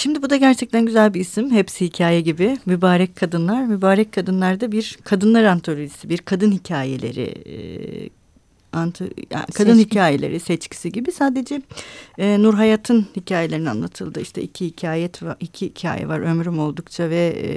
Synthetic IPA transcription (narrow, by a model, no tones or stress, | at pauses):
ʃimd̪ibud̪aɟæɾt͡ʃʰɛc̚t̪ʰænɟyzælʲbiːsimhɛpsihicʰaːjɛɟibɪmybaːɾɛckʰːad̪ɯnlˠaɾmybaːɾɛc̚kʰːad̪ɯnlˠaɾd̪abiɾkʰad̪ɯnlˠaɾɯant̪ʰoɾʲiisibiɾkʰad̪ɯnhicʰaːjḛlʲe̞̰ɾɪ̰ | ant̪ʰa̰kʰad̪ɯnhicʰaːjelʲḛɾisɛt͡ʃcʰi̥siɟibisaːd̪e̞d͡ʒɛɛːnuɾɦajaːt̪ʰɯnhicʰaːje̞lʲe̞ɾinia̰nˠat̪ʰɯlˠd̪ɯiʃt̪ʰɛʔicʰihicʰaːjɛt̪vicʰiicʰa̰ːjɛ̰va̰ɾø̞mɾymo̞lˠd̪ukt͡ʃʰavɛ̰